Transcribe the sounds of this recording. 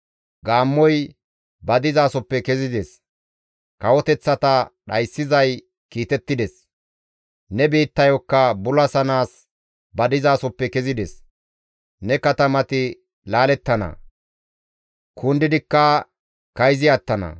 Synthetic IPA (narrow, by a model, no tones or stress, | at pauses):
ɡaːmːɔj | bɐd̪ɪzaːsɔpːɛkɛzɪd̪ɛs | kɐwɔt̪ɛt͡sːɐt̪ɐɗɐjsːɪzɐj | kiːt̪ɛt̪ːɪd̪ɛs | nɛbiːt̪ːɐjɔkːɐbʊlɐsɐnaːs | bɐd̪ɪzaːsɔpːɛkɛzɪd̪ɛs | nɛkɐt̪ɐmɐt̪ɪ | laːlɛt̪ːɐnɐ̰ | kʰʊnd̪ɪd̪ɪkːɐ | kɐjzɪɐt̪ːɐnɐ̰